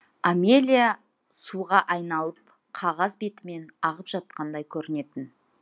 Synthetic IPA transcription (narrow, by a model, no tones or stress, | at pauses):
ame̞lʲija | suʁɑʔɑjnɑlˠəp̚ | qʰɑʁɑzbe̞t̪ɪme̞nɑʁəpʒ̥ɑt̪̚qɑnd̪ɑjkʲʰɵɾɪne̞t̪ɪn